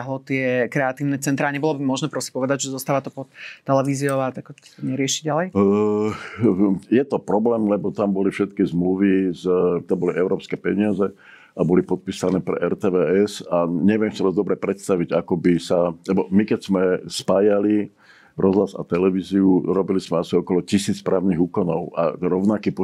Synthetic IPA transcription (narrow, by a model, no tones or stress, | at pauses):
aɦlɔt̪ɪɛkɾɛat̪iːʊnɛt͡sɛnt̪ɾaːɲɛbɔlɔbimʊɔʒnɛpɾɔsĩ̥pɔʋɛd̪aɟʒɛzɔst̪aːʋat̪ɔpɔt̪ːɛlɛʋiːziɔʊat̪akɔt̪t̪ɔɲɛɾɪɛʃiɟalɛj | jɛt̪ɔpɾɔblɛːmlɛbɔt̪ambɔlifʃɛt̪kizmluʋizt̪ambɔliʔɛʊɾɔːpskɛːpɛɲɪazɛ | ʔabɔlipɔt̪̚piːsanɛːpɾɛ̰ʔɛɾt̪ɛːʋɛɛsaɲɛʊʋɛmsid̪ɔzd̪ɔbɾɛpɾɛt̪st̪aʋiɟakɔbisalɛbɔmikɛcz̥mɛspaːjali | ɾɔzlaza̰t̪ɛlɛʋiːziuɾɔbilizmɛasiɔkɔlɔcisiːt͡spɾaːʊniɣuːkɔnɔʊa̰ɾɔʊnakiːpɔ